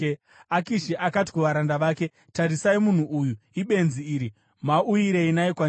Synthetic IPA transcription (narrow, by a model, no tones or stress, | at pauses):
akiʃiʔakat̬i̥kuʋaɾandaʋaːke̞ | taɾisaimun̤uʔujuiɓe̞nziiːɾi | mauiɾe̞inajikwa